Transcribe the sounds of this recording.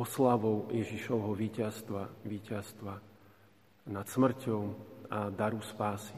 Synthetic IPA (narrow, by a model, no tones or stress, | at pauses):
ɔslaʋɔʊjɛʒiʃɔʊɦɔʋiːcast̪ʋaʋiːcast̪ʋa | nat̪smr̩cɔʊad̪aɾuspaːsi̥